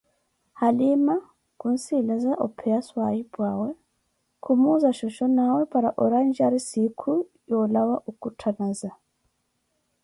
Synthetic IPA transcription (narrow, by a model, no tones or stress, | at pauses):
halima | kuːnsilazaʔo̰pʰejaswajibwaːwe | kʰumuzaʃoʃonawepaɾaʔoɾand͡ʒiaɾisikʰu | jolawaʔukutʰanaza